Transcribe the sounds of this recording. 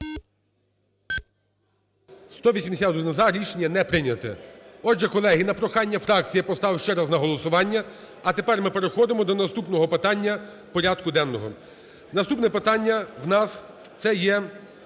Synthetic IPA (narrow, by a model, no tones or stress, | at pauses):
st̪ɔʋʲisʲimesʲat̪ɪnɔzɑɾʲiʃenʲɐnɛpɾɪnʲɐt̪ɛ̰ɔd͡ʒɛkɔlˠɛɦɪnɐpɾɔxɑnʲːɐfɾɑk̚t͡sʲijɐpɔst̪ɑwʃt͡ʃɛɾɑznɐɦɔlˠɔsʊʋɑnʲːɐ | ɐt̪epɛrmɪpeɾexɔd̪ɪmɔd̪ɔnɐst̪upnɔɦɔpɪt̪ɑnʲːɐ | pɔɾʲad̪kʊd̪ɛnːɔɦɔ | nɐst̪upnɛpɪt̪ɑnʲːɐwnɑs | t̪sɛjɛ